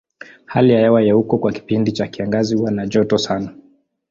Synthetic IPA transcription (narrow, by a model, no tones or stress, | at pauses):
halijajɛwajɛhukɔkwaki̥pindit͡ʃakiaŋɡaziuwanaʄɔtɔsana